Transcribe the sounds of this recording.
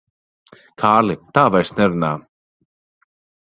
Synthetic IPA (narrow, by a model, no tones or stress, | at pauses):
kʰaːlɪt̪ʰavajɾ̥st̪nɛɾna